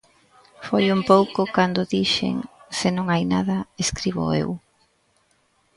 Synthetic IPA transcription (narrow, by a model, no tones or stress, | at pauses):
fojumpowkʊkand̪ʊðiʃḛŋsɪnõŋajna̰ðɐeskɾiβʊ̰ḛw